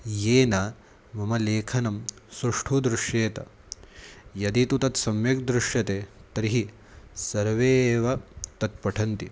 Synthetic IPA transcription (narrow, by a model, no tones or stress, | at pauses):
jeːnɐ | mɐmɐleːkʰɐnɐmsɾuʂʈʰud̪ɾuʂjeːt̪ɐ̰ | jɐd̪it̪ut̪ɐt̪sɐmjɐkd̪ɾuʂjɐt̪eːt̪ɐɾiɦi | sɐɾʋeːʋɐt̪ɐt̪̚pɐʈʰɐnt̪i